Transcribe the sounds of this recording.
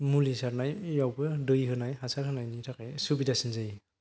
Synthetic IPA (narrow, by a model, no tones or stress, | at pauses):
mulisaɾnajjawbɯdɯjɦɯnajɦasaɾhɯnajnitʰakajsubidasɯnzaj